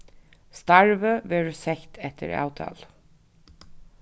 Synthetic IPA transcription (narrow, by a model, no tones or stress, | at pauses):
st̪ɑɹʋəʋɛɹsɛçt̪ʰɛt̪ʰə̰ɾɑ̰ːʉt̪ʰɑ̰ːl